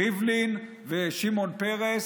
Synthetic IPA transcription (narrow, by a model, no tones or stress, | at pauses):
ivlin | veʃimonpeʁes